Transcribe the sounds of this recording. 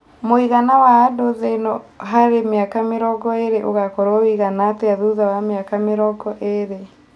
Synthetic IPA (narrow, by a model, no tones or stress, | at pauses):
moiɣanawaːdoðenɔɦaɾemeakameɾɔɡɔeɾeʔoɣakɔɾowiɣanateaðuðawameakameɾɔɡɔʔeɾe